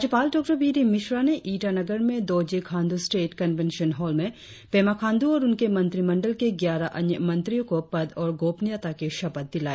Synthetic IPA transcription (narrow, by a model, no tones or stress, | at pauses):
d͡ʒəpaːlɖɔːk̚ʈəbiːɾimɪʃɾaneʔiːʈanɐɡəɾmẽd̪oːd͡ʒekʰãːnd̪usʈeːʈkɐnʋɛ̃nʃənɦɔːlmẽ | pɛːmakʰãːnd̪uɔːɾʊnkemɐ̃nt̪ɾimɐ̃ɳɖəlkeɡjaːɾaʔɐ̃njəmɐ̃nt̪ɾijõkopɐd̪ɔːɾɡoːpnijat̪akeʃɐbət̪̚d̪ɪlaːe